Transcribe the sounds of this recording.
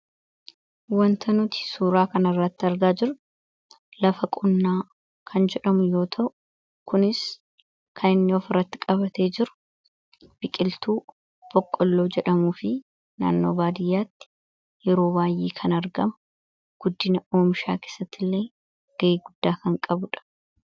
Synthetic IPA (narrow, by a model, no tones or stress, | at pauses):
wɐnt̪ʰɐnʊt̪ɪ̥suːɾaːkɐnɐrːɐt̪ːɪɐɾɡaːd͡ʒɪɾʊ | lɐfɐkʼʊnːaː | kʰɐnd͡ʒɛᶑɐmʊjo̞ːt̪ʰɐʔʊ | kʊnɪs | kʰɐnɪnːɪɔfɪrːɐt̪ːɪkʼɐbɐt̪e̞ːd͡ʒɪɾʊ̥ | b̥ɪkʼɪlt̪uː | b̥ɔkʼːɔlːo̞ːd͡ʒɛᶑɐmuːfɪ | na̰ːnːo̞̰ːbaːd̪ɪjːaːt̪ːɪ̥ | jɛɾo̞ːbaːjːeːkʰɐnɐɾɡɐmʊ | ɡ̥ʊd̪ːɪnɐoːmʃa̰ːkeːsɐt̪ːɪlːe̞ː | ɡ̥ɐʔiːɡʊd̪̥ːaːkɐŋkʼɐbʊᶑɐ̥